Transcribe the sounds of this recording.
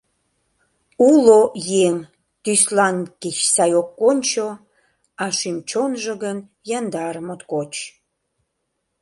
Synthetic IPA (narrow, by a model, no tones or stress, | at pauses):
ulojeŋ | t̪yslɑnkit͡ɕsɑjokːonʲt͡ɕo | ɑʃymt͡ɕonʒəɣən | jɑnd̪ɑɾəmot̪kot͡ɕ